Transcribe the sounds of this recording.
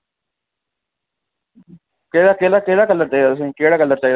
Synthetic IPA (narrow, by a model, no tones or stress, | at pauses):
keːd̪akeːlakeːlaːkəlːəɾt͡ʃaːiasĩkeːɽaːkəlːəɾt͡ʃaːid̪